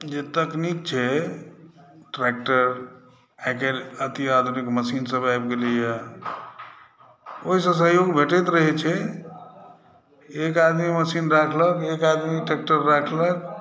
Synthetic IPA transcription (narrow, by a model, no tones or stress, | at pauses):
d͡ʒet̪əknik̚t͡ʃʰɛ | ʈɾɛk̚ʈəɾ | ɛkeɾət̪iad̪ʱunikməsinsəbajbɡelija | oɦisə̃sə̃ɦjoɡbʱeʈɛt̪ɾəɦɛt͡ʃʰɛ | ekad̪miməsinɾakʰləkekad̪miʈɾek̚ʈəɾːakʰlək